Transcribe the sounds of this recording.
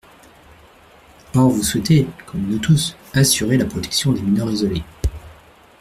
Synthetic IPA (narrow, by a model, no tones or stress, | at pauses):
ɔʁvuswɛt̪ekʰɔmnut̪us | asyʁelapχɔt̪ɛ̥ksjɔ̃d̪eminœʁizɔle